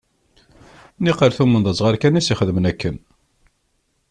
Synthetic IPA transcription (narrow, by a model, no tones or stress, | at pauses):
niqəɾθumənðˤət͡sːˤʁɑɾkænisiχəðəmnækːən